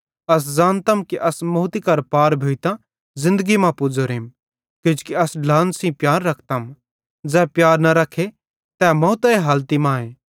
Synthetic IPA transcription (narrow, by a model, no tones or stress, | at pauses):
ɐs̬zaːnt̪ɐmkiʔɐsmʊɦt̪ikɐɾpaːɾbʱoːit̪ã | zɪ̃nd̪əɡimãpʊd͡zoɾeːm | kɪd͡ʒkiɐsɖlãːnsĩpjaːɾːɐkʰt̪ɐm | d͡zɛːpjaːɾnɐɾɐkʰːe | t̪ɛːmɐ̃ut̪ɐeɦaːlt̪imãːẽː